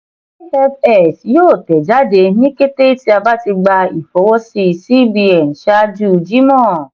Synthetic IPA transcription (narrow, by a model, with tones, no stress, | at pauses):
fɛ˦fɛ˦˨sjoː˦˨tɛ˨d͡ʒa˦de˧ni˦ke˦te˦i˦ti˧˦a˧ba˦ti˧ɡ͡ba˧i˨fɔ˨wɔ˦si˧˨si˦bi˦ɛ˨n̩˨ʃa˦d͡ʒu˦˨d͡ʒi˦mɔ̃˦˨